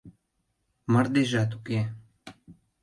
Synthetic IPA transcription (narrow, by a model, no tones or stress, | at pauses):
mərd̪eʒɑt̪̬uke